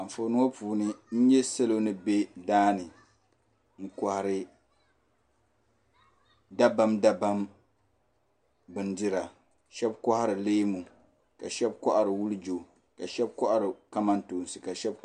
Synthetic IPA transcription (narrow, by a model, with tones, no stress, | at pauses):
a˨ɱ̩˨fo˨nɨ˦o˦puː˨nɨ˦n̩˦jɛ˦sa˦lo˦nɨ˦be˦daː˦nɨ˨ | ŋ̩˦ka˨ha˨ɾɪ˦ | da˦ba˦mda˦ba˦m | bɨ˨ndɨ˦ɾa˨ | ʃɛ˦b̚kɔ˦ha˦ɾɨ˨leː˦mu˨ | ka˨ʃɛ˦bkɔ˦ʔa˨ɾɨ˨wu˦lɨ˦d͡ʒo˨ | ka˨ʃɛ˦b̚kɔ˦ʔa˦ɾɨ˨ka˦ma˦ntoː˨n˨sɨ˨ka˨ʃɛ˦b̚